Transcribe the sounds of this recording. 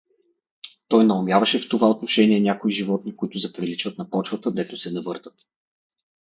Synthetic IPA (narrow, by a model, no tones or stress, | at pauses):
t̪ɔjnɐomʲjavɐʃɛft̪ovaot̪noʃɛniɛnʲakoiʒivɔt̪nikʊit̪ʊzɐpɾilit͡ʃvət̪nɐpɔt͡ʃvɐt̪əd̪ɛt̪ʊsɛnɐvɤɾt̪ət̪